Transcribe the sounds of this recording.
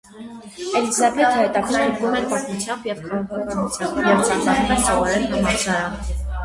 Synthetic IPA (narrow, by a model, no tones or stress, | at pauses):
ɛlizɑbɛt̪ʰəhɛt̪ɑkʰnɑɦɛɾvumɛɾpɑt̪mut͡sʰjɑmbjɛvkʰɑʁɑkʰɑkʰɑnut͡sʰjɑmbjɛvt͡sɑnmɑnumɛnt͡sɑvɑɾɛɾɦɑmɑɾsʰɑɾɑ